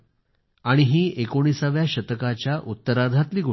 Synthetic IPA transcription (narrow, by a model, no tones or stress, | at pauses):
aɽ̃iɦiːʔekoɽ̃isaʋjaɕət̪əkat͡ɕjaʔut̪ːəɾad̪ʱat̪liːɡʱo